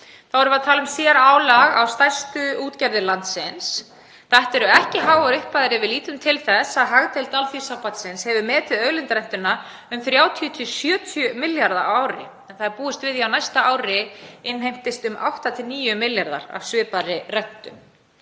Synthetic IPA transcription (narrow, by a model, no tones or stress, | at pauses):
θawɛɾʏvat̪ʰaːlʏmsjɛɾaːwlaɣa̰wst̪ajst̪ʏuːt̪cɛɾðɪlant̪sɪns | θaht̪ɛɾʏɛhcɪɦaːwvaɾʏhpaðɪɾɪvɪliːt̪ʏmt̪ʰɪlθɛsaðɦaɣt̪ejlt̪alθi̥sawpat̪sɪnshɛvʏmɛːt̪ɪðœːɥlɪnt̪aɾɛjn̥t̪ʏnːa | ʏmθɾjaːwt̪ʰiʏt̪ʰɪsjœːt̪ʰjʏmɪljaɾðaʔaːwɾɪ̰ | ɛnθaðɛɾpuːɪst̪vɪðiawnajst̪aaːwɾɪɪnɦejm̥t̪ɪst̪ʏmʔa̰wht̪at̪ʰɪlniːjʏmɪljaɾða̰ɾa̰v̥sʏːpaɾɪrɛn̥t̪ʏm